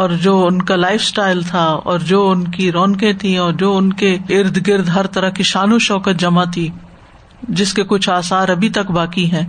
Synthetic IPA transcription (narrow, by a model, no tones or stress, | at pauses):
ɔːɾd͡ʒoːʊnkalaːɪfsʈaːɪlt̪ʰaɔ̰ːɾd͡ʒoːʊnkiɾɔːnkẽt̪ʰĩɔːɾd͡ʒoːʊnkeɪɾd̪ʱɡɪɾd̪ɦɐɾt̪ɐɾakiʃaːnuʃɔːkət̪d͡ʒɐmat̪ʰiː | d͡ʒɪskekʊt͡ʃʰaːsaːɾɐbʱit̪ɐkbaːkiɦɛ̃ː